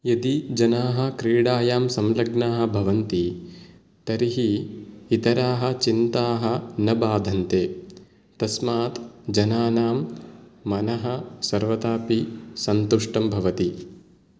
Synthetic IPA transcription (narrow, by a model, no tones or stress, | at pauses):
jɐd̪id͡ʒɐnaːɦɐ̆kɾiːɽaːjaːmsɐmlɐɡnaːɦɐ̆bʱɐʋɐnt̪i | t̪ɐɾiɦiːt̪ɐɾaːɦɐ̆t͡ʃint̪aːɦɐ̆nɐbaːd̪ʱɐnt̪eː | t̪ɐsmaːt̪d͡ʒɐnaːnaːmː | ɐnɐɦɐsɐɾʋɐt̪aːpisɐnt̪uʂʈɐmbʱɐʋɐt̪i